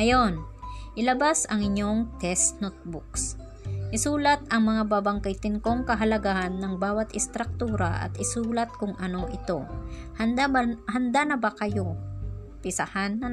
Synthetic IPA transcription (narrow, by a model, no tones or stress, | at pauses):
ɐjo̞nʔɪlɐbasɐŋɪɲo̞ŋt̪ɛst̪not̪̚buks | ʔɪsuːlɐt̪̚ɐŋmɐŋababɐŋkɐjt̪ɪnko̞ŋkɐɦɐlɐɡahɐnːɐŋbaːwɐt̪ʔɪst̪ɾɐk̚t̪uːɾɐ̰ʔɐ̰t̪ɪsuːlɐt̪̚kʊŋʔɐno̞ʔɪt̪o̞hɐnd̪ahɐnd̪anɐbakɐjo̞ | pɪsɐhanːɐ